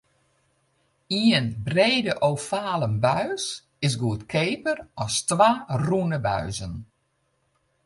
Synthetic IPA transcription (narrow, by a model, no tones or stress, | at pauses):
iənbreːdəʔoːfaːləmbœɥs | ɪs̬ɡuətkʰeːpərɔstʋaːrunəbœ̰ɥzən